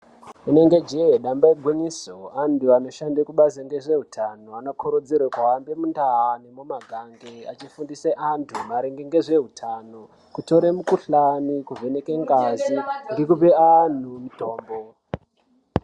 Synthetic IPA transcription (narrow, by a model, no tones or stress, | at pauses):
une̞ŋɡe̞d͡ʒejeɗambaeɡʱwiɲisoantuano̞ʃandekuɓazeŋɡe̞ʐe̞ɦutʰanoano̞kʰoɾod͡ziɾwakwawambemundaane̞momaɡʱaŋɡeat͡ʃifundiseʔantʰumaɾeŋɡeŋɡe̞ʐe̞ɦutʰano | kuto̞ɾemukuɬanikuvʱe̞ne̞keŋɡaziŋɡe̞kupean̤umito̞ːmbo̞